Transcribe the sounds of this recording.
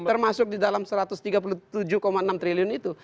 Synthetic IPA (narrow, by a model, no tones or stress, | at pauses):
ərmasʊk̚didalamsəɾat̪ʊst̪iɡap̬ulut̪ud͡ʒukɔmaənamt̪ɾiliʊnit̪u